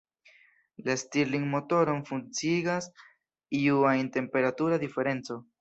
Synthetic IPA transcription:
lastiɾliŋmo̞to̞ɾo̞nfunt͡siɡas | iuainte̞mpe̞ɾatuɾad̪ife̞ɾe̞nt͡so̞

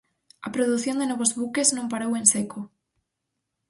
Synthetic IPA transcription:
ɐpɾoðuθjond̪enɔβozβukeznõmpaɾowensekʰo

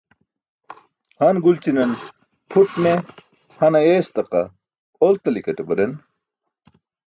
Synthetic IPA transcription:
hɐnɡult͡ɕinɐn | pʰuʈme | hɐnɐeːst̪ɐqɐ̰ | olt̪ɐlikɐʈebɐɾen

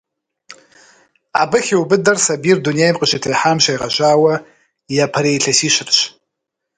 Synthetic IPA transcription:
a̰bɨxʲiwbɨdɐrsabiːrdunejmqʼəʃɪtʰɐjħaːmʃʷɐjʁɐ̰ʒaːwɐ | japʰɐɾejɬʰɐsiːɕɪrɕ

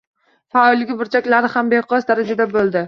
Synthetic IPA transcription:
faɒlɪɡʲɪbʊɾt͡ʃʰakʲlaɾɪhambeqʰɒsd̪aɾad͡ʒad̪abolˠd̪ɪ

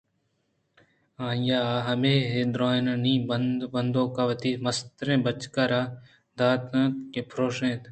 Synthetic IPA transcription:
ãːjaɦɐmeːɦed̪ɾoːnɐnĩːbəbɐnd̪õːkaʋɐt̪iːmɐst̪ɾẽːbət͡ʃkaɾaː | d̪aːt̪ãt̪kepʰɾoːʃẽːt̪

